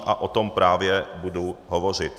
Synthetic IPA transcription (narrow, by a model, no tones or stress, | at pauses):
ʔaʔot̪ompɾaːvjɛbuduɦovor̝ɪt̪